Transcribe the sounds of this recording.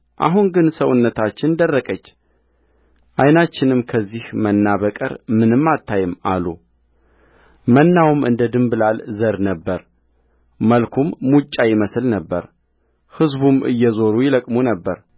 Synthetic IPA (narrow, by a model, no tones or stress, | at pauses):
ʔa̰ɦunɡɨnsəwʊnːət̪ʰat͡ʃːɪnd̪ərːəkʼət͡ʃː | ʔajnat͡ʃːɪnɨmkʰəzːihmənːaβəkʼə̰ɾmɨnɨmːat̪ʰːajɪma̰lu | mənːawmʔɨ̰nd̪əd̪ɨmbɨlalzəɾnəbːəɾ | məlkʰumːut͡ʃʼːajɪməsɨlnəbːə̰ɾ | hɨzbumʔɨ̰jːɛzo̞ɾujɪləkʼmunəbːəɾ